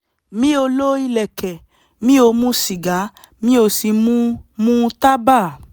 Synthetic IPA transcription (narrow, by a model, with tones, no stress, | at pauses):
mĩ˦o˧lo˦i˧lɛ˨kɛ˨ | mĩ˦o˧mũ˦si˨ɡa˨˦ | mĩ˦o˧si˧mũ˦mũ˦ta˦ba˦˨